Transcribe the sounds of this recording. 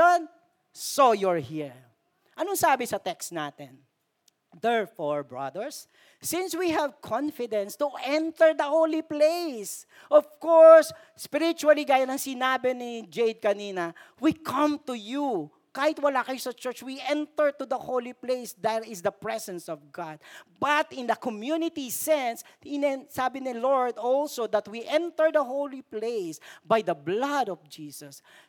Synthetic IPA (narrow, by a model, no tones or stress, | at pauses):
on | sojɔɹhiɹ | ʔɐnoŋsaːbɪsɐt̪ɛkst̪naːt̪ɛn | d̪ɛɹfɔɹbɹɐ̰d̪ɛɹsː | ɪ̃nswiɦɛvkʰɔ̃nfɪd̪ɛ̃nst̪uʔɛ̃nt̪ɛɹd̪ɐholiplejs | ʔɔvkɔɹsː | pɪɾɪt͡ʃuɐliɡaːjɐnɐŋsɪnaːbɛnɪd͡ʒejd̪̚kɐniːnɐ | wikʰɐ̃mt̪ʊju | kaːhɪt̪̚wɐlaːkɐjosɐt͡ʃɛɹt͡ʃwiʔɛ̃nt̪ɛɹt̪ʊd̪ɐhowliplejsd̪ɛt̪ɪsd̪ɐpɹɛsɛ̃nsɔvɡad̪̚bɐt̪ɪ̃nd̪ɐkɔmjunɪt̪isɛ̃ns | ɪnɛsaːbɪnɪlɔɹd̪ɔlsod̪ɐt̪wiʔɛ̃nt̪ɛɹd̪ɐhowliplejsbajd̪ɐblɐd̪ɔvd͡ʒisɐs